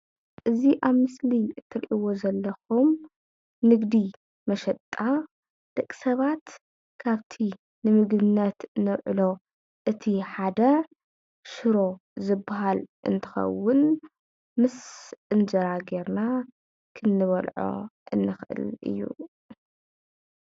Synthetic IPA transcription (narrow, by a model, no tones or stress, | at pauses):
ʔɨziʔaβmɨsliɨt̪ʰːɨɾʔiwo̞zɐlːɐxum | nɨɡd̪i | mɐʃɐt̪ʼːa | d̪̥ɐkʼi̥sɐβat̪ | kʰaβt̪ʰi | nɨmɨɡbɨnːɐt̪nɨwʕɨlo̞ | ʔɨt̪ʰiħad̪ɐ | ʃɨɾo̞zɨbːaɦalʔɨ̰nt̪ʰɨ̥xɐ̰wːʊn | mɨsɨnzɐɾaɡeɾna | kʰɨnːɨβɐlʕo̰ʔɨ̰nːɨxʔɨ̰lʔɨ̰jːṵ